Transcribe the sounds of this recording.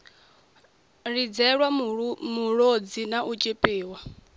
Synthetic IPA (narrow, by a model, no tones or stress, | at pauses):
ɺid͡zɛɺwamuɺod͡zinaʔut͡ʃʼepʼeːwa